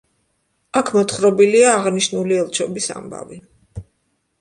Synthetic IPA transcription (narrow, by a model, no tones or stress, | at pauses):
akʰmɔt̪χɾɔbiliaːʁniʃnuliɛlˠt͡ʃʰɔbisa̰mba̰vi